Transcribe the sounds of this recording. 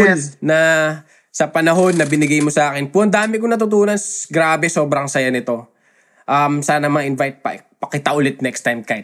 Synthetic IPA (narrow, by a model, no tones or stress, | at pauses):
lnɐ | sɐpɐnɐɦo̞nːɐbɪnɪɡajmosɐʔaːkɪnpuʔɐnd̪aːmɪk̬onɐt̪̬ʊt̪uːnɐnsɡɾaːbɛso̞ːbɾɐŋsɐjanɪt̪o̞ | ʔɐmsaːnɐmɐŋaʔɪnvajt̪̚pɐ̰pɐkit̪aʔʊlɛt̪̚nɛkst̪ajmkajt̪̚